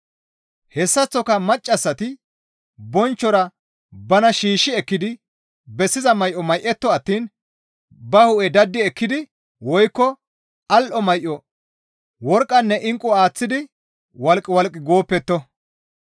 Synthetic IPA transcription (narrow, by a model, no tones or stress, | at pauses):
hɛsːɐt͡sːɔkɐmɐt͡ʃʼːɐsːɐt̪ɪ | bɔnt͡ʃːɔɾɐ | bɐnɐʃiːʃːɪɛkːɪd̪ɪ | bɛsːɪzɐmɐjʔɔmɐjʔɛt̪ːɔɐt̪ːiːn | bɐhʊʔɛd̪ɐd̪ːɪɛkːɪd̪ɪ | wɔjkːɔ | ɐlʔɔmɐjʔɔ | wɔɾkʼːɐnːɛʔɪŋkʼːʊaːt͡sːɪd̪ɪ | wɐlkʼːɪwɐlkʼːɪɡo̞ːpːɛt̪ːɔ